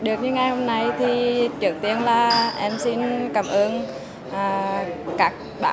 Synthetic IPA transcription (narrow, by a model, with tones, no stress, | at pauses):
ɗɨ˨˩ək̚ɲɨ˧ŋa˨˩jho˧mna˧jt̪ʰi˨˩t͡ɕɨ˨˩ək̚t̪i˧ənlaː˨˩ʔɛ˧msi˧nkaː˧˩mʔəː˧n | ʔaː˨˩kaː˦˥k̚ɓa̰ː˧